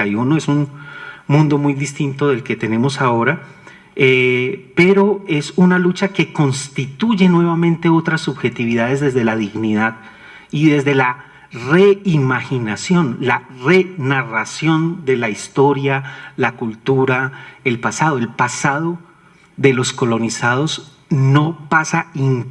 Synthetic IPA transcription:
ajunoe̞sunmũnd̪o̞mujd̪ist̪int̪o̞ðe̞lke̞t̪e̞ne̞mo̞sao̞ɾa | epe̞ɾo̞e̞sunalut͡ʃake̞ko̞nst̪it̪uʝe̞nwe̞βamẽnt̪e̞o̞t̪ɾasːuβxe̞t̪iβiðað̞e̞zd̪e̞zd̪e̞laðiɣniðað | iðe̞zd̪e̞la | re̞imaxinasjo̞nlare̞narasjo̞nd̪e̞laist̪o̞ɾjalakult̪uɾae̞lpasað̞o̞e̞lpasað̞o̞ | ðe̞lo̞sko̞lo̞nisað̞o̞z | no̞pasaiŋ

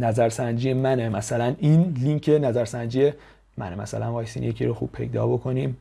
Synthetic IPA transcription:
næzæɾsænd͡ʒijemænemæsælæninliŋkʰe̞næzæɾsænd͡ʒije | mæ̰nemæ̰sæ̰lænbɒːjest̪iːnje̞cʲʰḭɾoxṵːb̥̚pʰe̞̰jd̪ɒ̰ːbo̞kʰo̞niːm

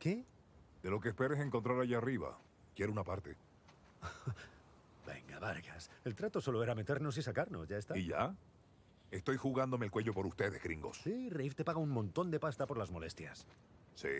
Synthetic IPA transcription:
ke̞ | d̪e̞lo̞keːspe̞ɾes̬e̞ŋkont̪ɾaɾaʝariβa̰ | kjeɾunapaɾt̪e̞ | be̞̰ŋɡaβaɾɣase̞lt̪ɾat̪o̞so̞lo̞e̞ɾame̞t̪e̞ɾno̞s̬isakaɾno̞sʝaest̪aiʝa̰ | e̞st̪o̞jxuɣand̪o̞melkwe̞ʝo̞po̞ɾust̪e̞ðe̞̰hɣɾiŋɡo̞̰ssirejft̪e̞paɣ̞auŋmõnt̪o̞nd̪e̞past̪apo̞ɾlazmo̞le̞st̪jas | sḭ

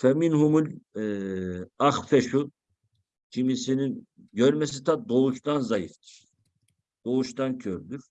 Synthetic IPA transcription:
fɛminhumulʲ | axfɛʃu | cʰimisinin | ɟøɾmɛs̬it̪ʰad̪o̞uʃt̪anzajift̪ʰi̥ɾ̥ | d̪̥o̞uʃt̪ancʰøɾd̪yɾ̥

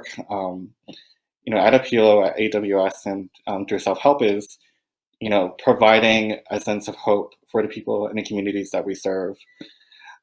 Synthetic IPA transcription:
kʌ̃m | jɨnoʊɨɾɨpʰioʊɨ̰ɾʔḛɪd̥ʌbl̩ˠjʉɛsɨ̃nʌ̃mθʉsɛlˠfhɛlˠpɪz̥ | jɨnoʊpʰɹ̥ɨvaɪɾɪ̃ŋɨsɛ̃nsʌv̥hoʊp | fə˞ðɨpʰipl̩ˠɪ̰̃nðɨkʰmjʉnɨɾizðɨʔ̚wisɜ˞v̥

